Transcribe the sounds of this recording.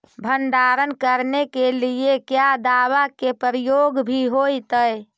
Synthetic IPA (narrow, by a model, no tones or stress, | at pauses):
bʱənɖaɾənkəɾnekeliekjad̪aʋakepəɾijoɡbʱiɦojt̪əj